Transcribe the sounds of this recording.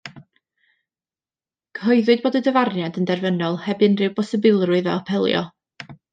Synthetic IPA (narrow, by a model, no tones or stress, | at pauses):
kʰhɔɨðʊɨd̚boːdədəvarnjadəndɛrvənɔlˠhɛbɨnrɨwbɔsəbɪlˠrʊɨðɛ̰pʰɛlˠjɔ̰